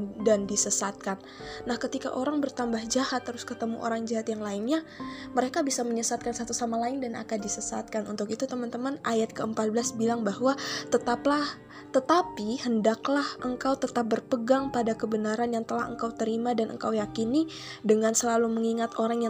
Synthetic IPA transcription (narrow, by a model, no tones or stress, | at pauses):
dandisəsat̪̚kanː | ahkət̪ika̰ʔoɾaŋbərt̪ambahd͡ʒahat̪ːəɾʊskət̪əmuʔo̰ɾaŋd͡ʒaɦat̪jaŋlaɪnɲaməɾekabisaməɲəsat̪̚kansat̪usamalaɪndana̰kandisəsat̪̚kanṵnt̪ʊkit̪ut̪əmant̪əmanʔajat̪̚kəəmpat̪̚bəlasbilaŋbahwat̪ət̪aplah | t̪ət̪apihəndaklahʔəŋkawt̪ət̪ap̚bərpəɡaŋpadakəbənaɾanjaŋt̪əlahə̰ŋkawt̪əɾimadanʔə̰ŋkawjakini | dəŋansəlaluməŋiŋat̪oɾaŋja